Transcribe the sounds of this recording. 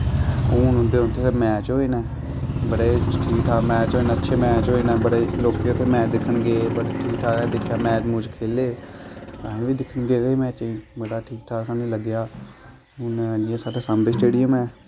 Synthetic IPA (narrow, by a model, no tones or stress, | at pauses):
huːnʊ̃nd̪eːɦʊ̃nt̪ʰeːsmɛːt͡ʃɦoːiːnɛː | bəɽeːʈʰiːkʈʰaːmɛːt͡ʃɦoːeːnətːʃʰeːmɛːt͡ʃɦoːiːnɛːbəɽeːloːkeːot̪ʰːeːmɛ̃ːt͡ʃd̪ɪkʰːəɳɡeːbəɽeːʈʰiːkʈʰaːd̪ɪkʰːjaːmɛ̃ːt͡ʃmʊ̃ːd͡ʒkʰeːleːt̪aːẽːʋiːd̪ɪkʰːəɳɡeːd̪eːmɛ̃ːt͡ʃĩːbəɽaːʈʰiːk̚ʈʰaːsãːnũːləɡjaː | ɦʊnd͡ʒɪjãːsaːɖeːsaːmɽeːsʈeːɽijəmɛː